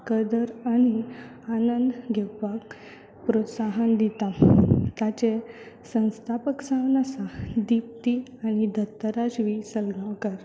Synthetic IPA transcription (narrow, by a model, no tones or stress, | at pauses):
kəd̪əɾañi | anənd̪ɡʱɛkʋak | pɾot̪saɦənd̪it̪at̪at͡ɕe | sə̃st̪ʰapəksãwnasad̪ip̚t̪iañid̪ʱət̪ːəɾad͡ʑʋisəlɡʱakəɾ